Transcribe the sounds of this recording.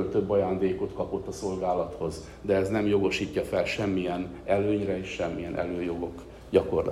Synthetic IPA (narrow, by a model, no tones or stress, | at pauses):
lt̪ø̞bːɒjaːnd̪eːko̞t̪kɒpo̞t̪ːɒso̞lɡaːlɒt̪ho̞z | d̪ɛɛznɛmjo̞ɡo̞ʃiːcːɒfɛlʃɛmːijɛn | ɛløːɲrɛeːʃʃɛmːijɛnʔɛ̰løːjo̞ɡo̞k | ɟɒko̞rl̰